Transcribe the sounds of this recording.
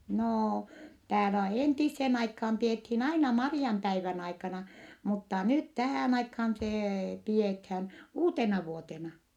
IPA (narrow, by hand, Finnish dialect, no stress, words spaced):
noː tæːlæ entisːen ɑikhɑm piethiːn ɑinɑ mɑriɑmpæiʋæn ɑikɑnɑ mutːɑ nyt tæhæˑn ɑikhɑn seː piethæn uːtenɑʋuotenɑ